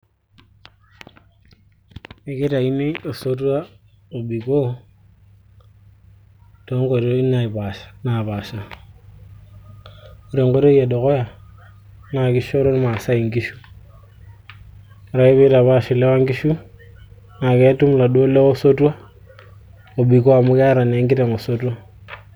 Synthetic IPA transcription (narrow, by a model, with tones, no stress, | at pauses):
i˨ki˦ta˨i˦ni˦o˨so˦t̬u˦a˦ | u˨bi˨ko˦ | to˨˦ŋɡo˨ɾo˦i˦na˨i˨ba˨ʃḁ˨na˨βa˨ʃa˨ | o˨ɾe˨ŋɡo˦ɾo˦je˨do˨ko˦ja˨ | na˨ki˦ʃo˦ɾo˦n˦ma˨sa˦i˨ŋɡi˦ʃu˦˨ | ɾa˨i˦βe˦ɾa˨βa˦ʃi˨le˦wa˦ŋɡi˦ʃu˦ | na˨ke˦tu˦mla˨do˦le˦o˦so˦tu˦a˦ | o˨bi˨ko˦a˨mu˦kɛ˦a˦ɾa˨ne˨˦ŋɡi˦te˨ŋo˨so˦tu˦a˦